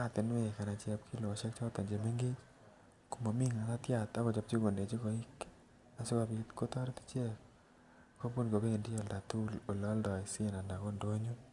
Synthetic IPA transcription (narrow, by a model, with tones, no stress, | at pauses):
a˦˨t̪ɪ˨nwe˦˨ka˨na˨t͡ʃjɛ˦p̚kʰi˦lɔ˨ʃɛ˦k̚t͡ʃɔ˦ɾt̪ɔ˨ɲd͡ʒe˨me˦ŋɡe˦t͡ʃ | ku˨ma˨mi˦ŋa˨na˦t̪ja˨t̪a˦kɔ˨t͡ʃa˨p̚t͡ʃi˦ɡo˨nde˨t͡ʃi˦ko˨i˦k | a˨sɪ˦ka˨bi˨t̪ko˦t̪ɔ˦ɾt̪i̥˦t͡ʃjɛ˦k | ko˦po˦nko˨be˦e˨ndi˦ɔ˦˨lda˨t̪u˦lo˨lɔ˦ldɔ˨ɪ˨sɪ˦˨na˨nda˨kɔ˦ndo˦ɲo˦